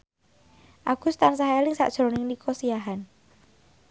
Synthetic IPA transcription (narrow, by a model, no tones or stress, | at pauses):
ʔaɡ̥ṳst̪ansaɦelɪŋsa̰ʔd̥ʒ̥ɾonɪŋnikʰɔsijaɦan